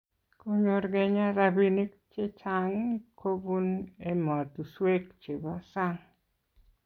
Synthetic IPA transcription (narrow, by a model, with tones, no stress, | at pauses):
ko˦ɲo˨ɾɡe˨ɲa˦ɾa˨bi˦ni˦ | t͡ʃe˦t͡ʃa˨ŋkʰo˦bu˦ne˦mɔ˨tu˨swe˦kt͡ʃe˨bɔ˦sa˦ŋ